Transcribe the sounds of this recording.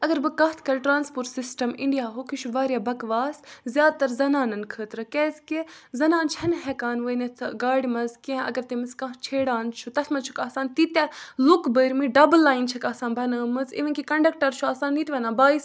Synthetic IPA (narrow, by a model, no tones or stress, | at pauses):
ɐɡɐɾbɨkɐɦt̪ʰkɐɾʈɾaːnspoːɾʈsisʈɐmiɳɖijaːɦokiʃʰuʋaːɾjaːbɐkʋaːszʲjaːd̪̚t̪ɐɾzɐnaːnɐnkʰəːt̪ɾɨkɛzkizɐnaːnt͡ʃʰɐnɦɛkaːnʋəːjnet̪ʰɡaːɽimɐzkẽɐ̰ɡɐɾt̪imɨskɐ̃t͡ʃʰeːɽaːnt͡ʃʰut̪ɐt̪ʰmɐt͡ʃʰu̥kaːsaːnt̪it̪ʲalukbəːɾmɨɖɐblːaːjnt͡ʃʰɐkaːsaːnbɐnəːmɨzḭʋɐnkikɐɳɖɐk̚ʈɐɾt͡ʃʰuaːsaːnːit̪ʰʲʋɐːnãːbaːis